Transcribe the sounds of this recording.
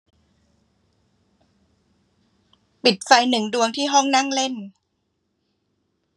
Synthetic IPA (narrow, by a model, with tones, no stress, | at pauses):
pi˨˩t̪̚fa˧jnɯ˨˩ŋdu˧əŋt̪ʰiː˥˩ɦɔ˥˩ŋna˥˩ŋle˥˩n